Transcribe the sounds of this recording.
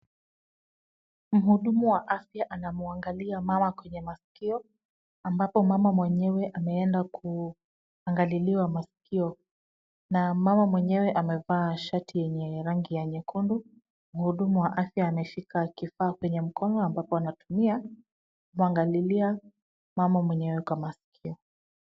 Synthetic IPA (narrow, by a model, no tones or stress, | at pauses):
m̩ɦuɗumuwaʔafjaʔanamuaŋɡaliamamakwɛɲɛmasi̥kiɔ | ambapɔmamamwɛɲɛwɛʔamɛɛndakʰu | aŋɡaliliwamasi̥kiɔ | namamamwɛɲɛwɛʔamɛvaːʃatijɛɲɛɾaŋɡijaɲɛkʰundu | muhuɗumuwaʔafjaːnɛfikakifaːkwɛɲɛm̩kɔnɔambapɔanatumia | kumuaŋɡalilia | mamamwɛɲɛwɛkwamasi̥kʰiɔ